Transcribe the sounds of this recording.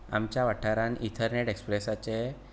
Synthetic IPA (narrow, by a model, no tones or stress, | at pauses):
a̰mt͡ɕjaʋaʈʰaɾanit̪ʰəɾneʈekspɾesat͡se